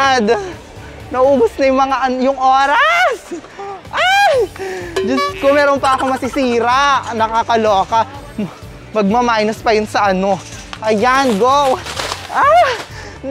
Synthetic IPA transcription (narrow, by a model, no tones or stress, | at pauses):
d̪ | nɐʔuːbʊsnɐjʊŋmɐŋaʔɐnjʊŋʔoːɾɐs | ʔajd͡ʒɐskʊmɛːɾonpɐɐko̞mɐsɪsiːɾaʔnɐkakɐloːkɐ | mɐɡ̚mɐmaːjnɐspɐjʊnsɐʔɐno̞ | ʔɐjanɡowʔa